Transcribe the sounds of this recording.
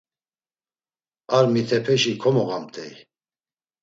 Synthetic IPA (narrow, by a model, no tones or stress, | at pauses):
aɾmit̪ʰɛpʰɛʃikʰɔmɔɣamt̪ʰɛ̰j